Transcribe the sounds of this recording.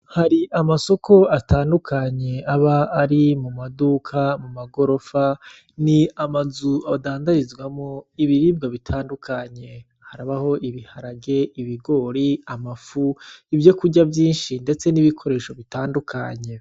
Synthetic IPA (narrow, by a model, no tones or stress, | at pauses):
haɾiʔamaso̞ko̞ataːndukʰaɲe̞aβaːɾimumadukʰamumaɡo̞ɾo̞fa | niamazuadaːndaɾizɡwamoiβiɾiːb̚ɡaβitʰaːndukʰaɲe̞ | haɾaβaho̞ʔiβihaɾaɡe̞iβiɡo̞ɾiamafuivjo̞kuɟabjiːnʃinde̞t͡se̞niβikʰo̞ɾe̞ːʃo̞βitaːndukʰaɲe̞